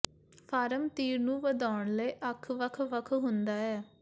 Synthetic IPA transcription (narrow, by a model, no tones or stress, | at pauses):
pʰaːɾəmt̪iːɾnũːʋəd̪aːɳləiːʔəkʰʋəkʰʋəkʰɦʊnd̪aːɛː